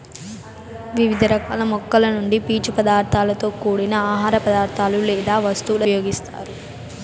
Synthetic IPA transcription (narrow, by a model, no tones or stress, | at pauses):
ʋiʋid̪ʱɐɾɐkaːlɐmɔkːɐlɐnuɳɖipiːt͡ʃupɐd̪aːɾt̪ʰaːlɐt̪o̞ːkuːɽinɐaːɦaːɾɐpɐd̪aːɾt̪ʰaːlulɛːd̪aːʋɐst̪ulɐjoːɡist̪a̰ːɾu